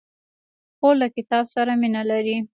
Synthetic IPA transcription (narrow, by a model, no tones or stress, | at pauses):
xolakɪt̪ɑbsaɾaminalaɾi